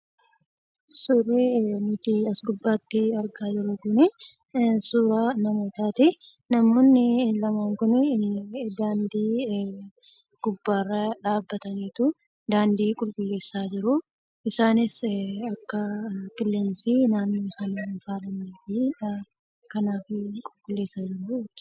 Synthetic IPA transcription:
surinʊt̪iɐsɡʊbːaːt̪ːɪɐɾɡaːd͡ʒɪɾʊkʊnɪ | suːɾaːnɐmo̞ːt̪aːt̪ɪ | nɐmoːnːɪlɐmaːŋkʊn | d̪aːnd̪iː | ɡ̥ʊbːaːrːɐᶑaːbːɐt̪ɐniːt̪ʊ | d̪aːnd̪iːkʼʊlkʼʊlːe̞ːsːaːd͡ʒɪɾʊ | ɪsaːnɪsɐkːɐpɪlːeːnsɪnaːnːoːɪsaːnɪnfaːlɐneːfɪᶑɐ | kɐnaːfɪkʼʊlkʼʊlːe̞ːsːaːd͡ʒɪɾʊt̪ː

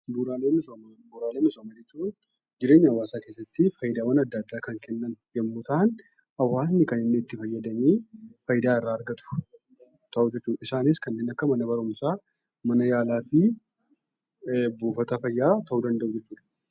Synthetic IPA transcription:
buːɾaːleːnɪsombuːɾaːleːnɪsoːmɐd͡ʒɛt͡ʃːuːn | d͡ʒɪɾe̞ːɲːɐɐwaːsaːke̞ːsːɐt̪ːɪfɐjɪd̪aːwɐnɐd̪ːɐd̪ːaːkɐŋkʰɛnːɐnjɐmːʊt̪ɐn | ɐwaːsnɪkɐnɪnːeɪt̪ːɪfɐjːɐd̪ɐmiːfɐjɪd̪aːɪrːaːɐɾɡɐt̪ʊ̥ | t̪ɐʔud͡ʒɛt͡ʃːuːd̪ɐɪsaːnɪskɐnːe̞ːnɐkːɐmɐnɐbɐɾʊmsaː | mɐnɐjaːlaːfɪ | buːfɐt̪ɐfɐjːaːt̪ʰɐʔuːd̪ɐnd̪ɐʔʊd͡ʒɛt͡ʃːuːd̪ɐ̥

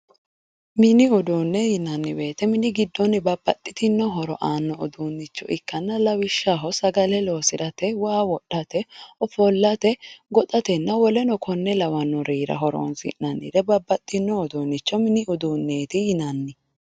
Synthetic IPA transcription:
mɪnɪʊd̪uːnːɛjɪnɐnːɪwe̞ːt̪ɛmɪnɪɡɪd̪ːɔnɪbɐbːɐt̪ʼːɪ̥t̪ɪnːɔɦɔɾɔʔaːnːɔʔʊd̪uːnːɪt͡ʃːɔ̰ʔɪkːɐnːɐlɐwɪʃːaɦɔsɐɡɐlɛloːsɪd̪ɐt̪ɛwaːwɔɗːɐt̪ɛɔfɔlːɐt̪ɛɡɔt̪ʼɐt̪ɛnːɐwɔlɛnɔkʰɔnːɛlɐwɐnːɔɾiːɾɐ̰ɦɔɾo̰ːnsɪ̰nnɐnːɪ̰d̪ɛbɐbːɐt̪ʼːɪnːɔʊd̪uːnːɪt͡ʃːɔmɪnɪʊd̪uːnːeːt̪ɪjɪnɐnːɪ

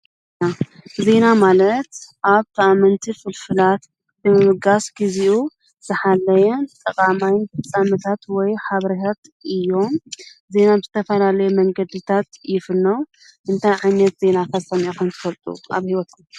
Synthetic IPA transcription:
aze̞namalɐt̪ʔaβt̪ʰɐamɐnt̪ʰifɨlfɨlat̪ | bɨmɨmɨɡasɡ̥iziʔu | z̥ɨħalːɐjɛnt̪ʼɐkʼamajnfɨt͡sʼamɨt̪ʰat̪wɔjħaβɾit̪ʰat̪ | ʔɨjːo̞mze̞nabɨzɨt̪ʰɐfɐlalɐjumɐŋɡɐd̪ɨt̪ʰat̪jɪfɨnːow | ʔɨnt̪ʰajʕajnɐt̪z̥e̞nakʰɐsɐmokʰɨnt̪ʰɨ̥fɐlt̪ʼṵʔa̰βhiwɔt̪u

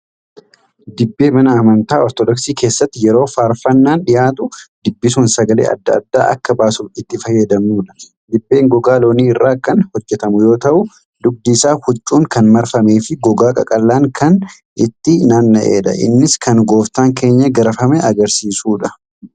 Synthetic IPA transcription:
d̪ɪbːe̞ːmɐnɐɐmɐnt̪aːɔɾt̪ɔd̪ɔksiːke̞ːsːɐt̪ːɪjɛɾo̞ːfaːɾfɐnːaːnᶑɪjaːt̪ʊd̪ɪbːɪsuːnsɐɡɐlḛːʔɐ̰d̪ːɐɐ̰d̪ːa̰ːʔɐ̰kːɐbaːsuːfɪt̪ːɪfɐjːɐd̪ɐmuːᶑɐ̥ | d̪ɪbːe̞ːŋɡɔɡaːlo̞ːniːɪrːaːkɐnhɔd͡ʒːɛt̪ɐmʊjo̞ːt̪ɐʔʊ | d̪ʊɡ̚d̪isaːhʊt͡ʃʼːuːŋkɐnmɐɾfɐmeːfɪɡɔɡaːkʼɐ̰kʼɐlːaːŋkʰɐn | ʔɪt̪ːɪnaːnːɐʔḛːᶑɐ̰ʔɪ̰nːɪskʰɐnɡo̞ːft̪aːŋke̞ːɲːɐɡɐɾɐfɐmɛʔɐɡɐɾsiːsuːᶑɐ

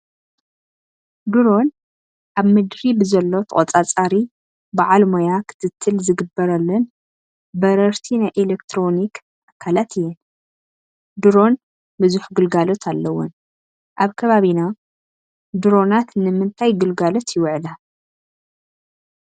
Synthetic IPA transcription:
d̪uɾo̞n | ʔaβmɨd̪ɾibɨzɐlːo̞t̪ʰɐχʼɐt͡sʼat͡sʼaɾi | bɨʕalmojakʰɨ̥t̪ʰɨt̪ʰːɨlzɨɡɨbːɐɾɐlːɐn | bɐɾɐɾt̪ʰinajʔelekt̪ʰɾo̞nik | ʔakʰːalat̪ʰɨjːɛn | d̪uɾo̞n | bɨzuħɡɨlɡalo̞t̪ʰalːɐwːʊn | ʔaβkʰɐβaβina | d̪uɾo̞nat̪nɨmɨnt̪ʰajɡɨlɡalot̪jɪwʕɨla

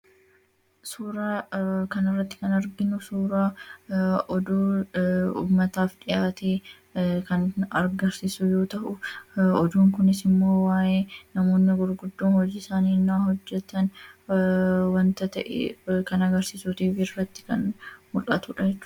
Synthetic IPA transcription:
suːɾaːkɐnɪrːɐt̪ːɪ̥kɐnɐɾɡɪnʊsuːɾaː | ʔɔd̪uː | ṵːmːɐt̪aːfᶑɪjaːt̪eː | kɐnɐɾɡɐɾsɪsʊjo̞ːt̪ɐʔʊɔd̪uːŋkʊnɪsɪmːo̞ːwaːʔeːnɐmo̞ːnːɪɡʊɾɡʊd̪ːoːnhɔd͡ʒiːɪsaːniːnːaːhɔd͡ʒːɛt̪ːɐn | wɐnt̪ɐt̪ɐʔɛ̰kɐnɐɡɐɾsisuːt̪iːfɪrɐt̪ːɪ̥kɐnmʊᶑɐt̪ʊᶑɐd͡ʒɛt͡ʃːʊː

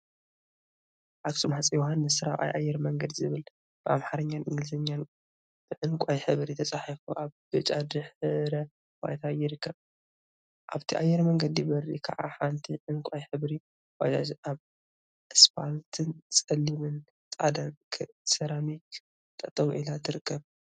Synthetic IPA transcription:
ʔaksumhat͡sʼijohanːɨssɨɾawʔa̰jʔa̰jːɛɾmɐŋɡɐd̪zɨβɨl | b̥ɨʔa̰mħaɾɐɲːanʔɨŋɡɨlsɐɲːan | b̥ɨʕɨŋkʷʼajħɨβɾit̪ʰɐt͡sʼaħifuʔaβb̥ɨt͡ʃʼad̪ɨħɨɾɐ | wa̰jt̪ʰajɪɾɨkʰːɐβ | ʔaβt̪ʰiʔajːɛɾmɐŋɡɐd̪ijibɐrːḭkʰɐ̰ʔaħant̪ʰiʕɨŋkʷʼajħɨβɾi | wajaβ | ɨspalt̪ʰɨnt͡sʼɐlːimɨn | t͡sʼad̪ɐkʰ | sɐɾamik | t̪ʼɐt̪ʼɐβʔilat̪ʰɨɾɨkʰːɐβ

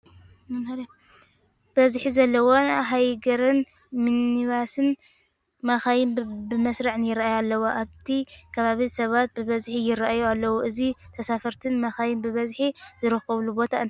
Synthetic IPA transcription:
mɐnhɐɾa | b̥ɐzħizɐlːɐwonɦajɡɐɾɨn | mɨniβasɨn | maxajɪnbɨmɐsɾaʕnjɪɾaʔajalːɐwoʔaβt̪ʰikʰɐβaβisɐβat̪̚bɨβɐzħijɪɾaʔajualːɐwuʔɨzit̪ʰɐsafɐɾt̪ʰɨnmaxajɪnbɨβɐzħizɨɾɨxɐβlubo̞t̪ʰaɨn

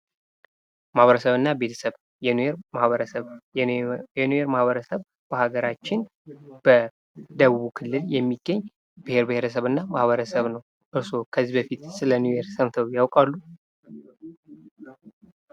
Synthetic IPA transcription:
mahβəɾəsəβɨnːabe̞t̪ʰə̥səβ | jɛnueɾmahβəɾəsəβ | jɛnueɾmahβəɾəsəβ | b̥əhaɡəɾat͡ʃːɪn | b̥ə | d̪əβuβukʰɨlːɨljɛmːiɡːəɲː | bɨhe̞ɾbɨheɾəs̬əβɨnːamahβəɾəsəβnəw | ʔɨɾso̞kʰəzːibəfit̪sɨlənueɾsəmt̪ʰəwjawkʼalːu

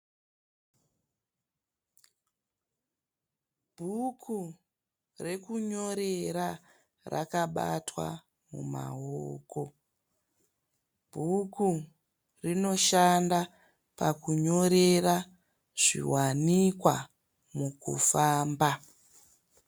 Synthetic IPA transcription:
bʱukʰu | re̞kuɲo̞ɾe̞ɾa | ra̰kaɓatwa̰ | mṵma̰ɦoːko̞ | bʱuku | rino̞ʃanda | pakuɲo̞ɾe̞ra | ʐ̥ḭwanikwa | mukṵfaːmba

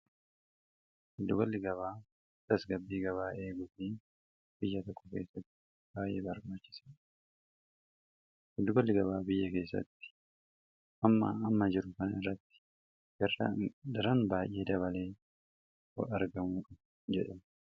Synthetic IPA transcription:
hɪd̪ːʊɡɔlːɪɡɐβaː | t̪ɐsɡɐbːiːɡɐβaːʔe̞ːɡʊfiːn | b̥ɪjːɐt̪ɔkːɔke̞ːsːɐt̪ːɪ̥ | b̥aːjʔe̞̰ːbɐɾbaːt͡ʃːɪ̥sɐ̥ | hʊd̪ːʊɡɔlːɪɡɐβaːbɪjːɐke̞ːsːɐ̰t̪ːɪ̥ | ʔɐmːɐ̰ːmːɐd͡ʒɪɾʊkɐnɐɪrːɐt̪ːɪ̥ | ɡɐrːɐ̰d̪ɐɾɐnbaːjʔːe̞ːd̪ɐβɐle̞ː | ɔ̰ɐɾɡɐmuːᶑʊ | d͡ʒɛᶑɐm

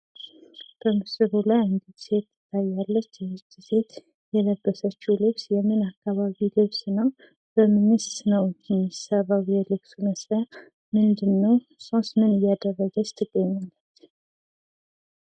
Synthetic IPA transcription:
b̥əmɨsɨβulajɨnd̪id̪se̞t̪ːɨ̥t̪ʰːajːalːət͡ʃːɛɨt͡ʃ̪ːise̞t̪ | jɛləbːəsət͡ʃːɛwlɨβsjɛmɨnakːaβaβilɨβsnəw | b̥əmɨnɨst̪nəwd͡ʒinːisaβawjɛlɨβsuməsɾə | mɨnd̪ɨnːəw | sosmɨnɨjːad̪ərːəɡəst̪ʰɨɡːəɲːalːət̪

